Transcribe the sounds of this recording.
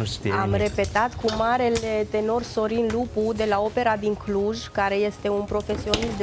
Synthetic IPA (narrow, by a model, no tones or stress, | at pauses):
siamɾe̞pe̞t̪at̪kumaɾe̞le̞t̪e̞no̞rso̞ɾinlupud̪e̞lao̞pe̞ɾad̪iŋkluʒkaɾe̞je̞st̪e̞unpɾo̞fe̞sio̞nist̪d̪